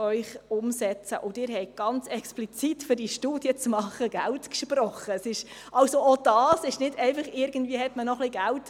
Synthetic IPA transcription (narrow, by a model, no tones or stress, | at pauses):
œʏχʊmsɛt͡sə̰ʔʊdɪɾɦɛɪɡ̥ɑnt͡sɛksplit͡sitfʏɾdiʃtuːd̥iət͡smɑχːəɡ̥æltkʃprɔχːəɛsɪʃʔɑlsoʔod̥ɑːsɪʃnɪdɛɪfɑχɪɾɡ̥ən̩dviəhɛtmənɔχliɡ̥ælt